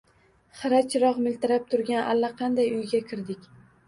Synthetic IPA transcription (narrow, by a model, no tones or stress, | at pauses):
χɨɾat͡ʃʰɾɒqmɪlt̪ɪɾap̚t̪ʰʊɾɡʲanʔa̰lːaqʰɑnd̪ajʊjɡʲakʲʰɪɾd̪ɪkʲ